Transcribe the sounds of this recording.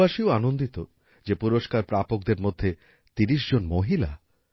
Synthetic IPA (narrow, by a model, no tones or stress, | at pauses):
aʃioanond̪it̪o | d͡ʑepuɾoʃkaɾpɾapok̚d̪eɾmod̪ʱːe | t̪iɾiʃ̬d͡ʑonmoɦila̰